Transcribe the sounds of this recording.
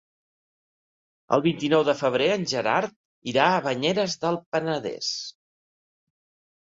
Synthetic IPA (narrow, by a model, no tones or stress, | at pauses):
ə̰lˠβint̪inɔwðəfəβ̞ɾeənʲʒəɾa̰ɾt̪̚ | iɾaəβəɲeɾəzðəlˠpənəðɛ̰s